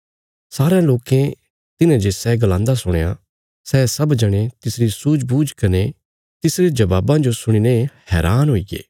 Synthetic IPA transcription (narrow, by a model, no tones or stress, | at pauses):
saːɾãloːkẽ | t̪ɪnãd͡ʒesɛːɡlãːnd̪asʊɽ̃eja̰ | sɛːsɐbd͡ʒɐɽ̃et̪ɪsɾisuːd͡ʒbuːd͡ʒkɐne | t̪ɪsɾed͡ʒɐbaːbãd͡ʒosʊɽ̃inehɛːɾaːnɦoːiɡḛː